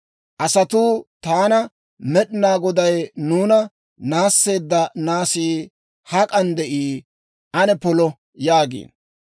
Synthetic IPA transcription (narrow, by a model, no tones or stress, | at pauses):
ʔɐsɐt̪uːt̪aːnɐ | mɛɗɪnaːɡɔd̪ɐjnuːnɐ | naːsːe̞ːd̪ːɐnaːsiː | hɐkʼɐnd̪ɛʔiː | ʔɐnɛpɔlɔ | jaːɡḭːn